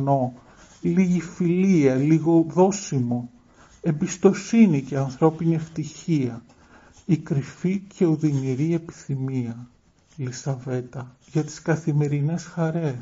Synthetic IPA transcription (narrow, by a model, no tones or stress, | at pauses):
no̞ | liʝifiliɐliɣo̞ðo̞simo̞ | e̞mbist̪o̞sinice̞ɐnθɾo̞pinieft̪içiɐ | ikɾificʰe̞uðiniɾie̞pi̥θimiɐ | lisɐve̞t̪ɐ | ʝɐt̪i̥skɐθime̞ɾine̞sxɐɾe̞